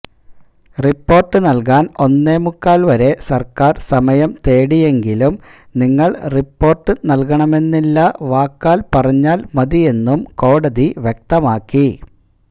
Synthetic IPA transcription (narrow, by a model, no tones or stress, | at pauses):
ripːo̞ːrʈːɨnɐlk̬aːno̞nːe̞ːmukːaːlʋɐɾe̞sɐrkaːrsɐmɐjɐmt̪e̞ːɽije̞ŋɡilum | niŋːɐɭripːo̞ːrʈːɨnɐlk̬ɐɳɐme̞nːilːɐʋaːkːaːlpɐrɐɲːaːlmɐðije̞nːumko̞ːɽɐðiʋjek̚t̪ɐmaːkːi